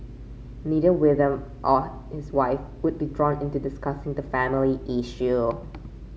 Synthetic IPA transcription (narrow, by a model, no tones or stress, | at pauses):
niɾəwɪdə̃mʔɔ | hɪswaɪfwʊd̚bidɹɔ̃nɪ̃ntudɪskasɪ̃ŋd̪əfæmɪliʔɪʃu